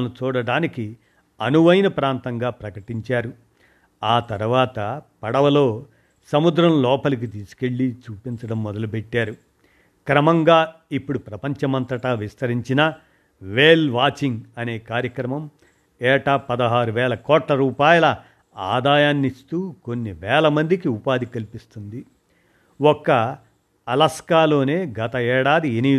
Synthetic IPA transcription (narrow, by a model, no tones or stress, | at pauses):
nut͡ʃuːɽɐɽaːniki | ɐnuʋɐjnɐpɾaːnt̪ɐŋɡaːpɾɐkɐʈiɲt͡ʃaːɾu | aːt̪ɐɾuʋaːt̪ɐpɐɽɐʋɐlo̞ː | sɐmud̪ɾɐmlɔːpɐlik̬it̪iːsu̥ke̞ɭːit͡ʃuːpint͡ʃɐɽɐmːɔd̪ɐlupɛʈːaːɾu | kɾɐmɐŋɡaːipːuɽupɾɐpɐɲt͡ʃɐmɐnt̪ɾɐʈaːʋist̪ɐɾiɲt͡ʃinɐ | ʋeːlʋaːt͡ʃiŋɡɐne̞ːkaːɾjɐkɾɐmɐm | ɛːʈapɐd̪ɐɦaːɾuʋɛːlɐkɔːʈlɐɾuːpaːjɐlɐ | a̰ːd̪aːjaːnːist̪uːko̞nːiʋɛːlɐmɐnd̪ikiupaːd̪ikɐlipist̪und̪i | wɔkːɐː | lɐskaːlo̞ːne̞ːɡɐt̪ɐɛːɽaːd̪ieni